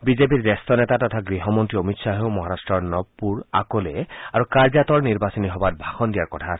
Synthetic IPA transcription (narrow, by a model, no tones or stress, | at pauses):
bizep̬iɾdɛst̪ʰɔnɛtat̪ɔt̪ʰaɡɹiɦɔmɔnt̪ɹiomitsaɦewmɔɦaɾastɹɔɹnɔpːuɹa̰koleaɹukaɹzat̪ɔɹniɹbasɔniɦɔbat̚bʱaxɔnd̪ijaɹkɔtʰas